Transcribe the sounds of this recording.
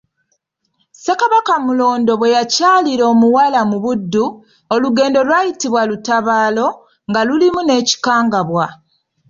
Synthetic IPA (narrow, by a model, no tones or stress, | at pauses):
sekaβakamulo̞ːndo̞βwe̞jacaːliɾo̞ːmuwalamuβudːu | oluɡe̞ːndo̞lwaːjitiβwalutaβaːlo̞ | ŋɡalulimune̞ːci̥kaːŋɡaβwa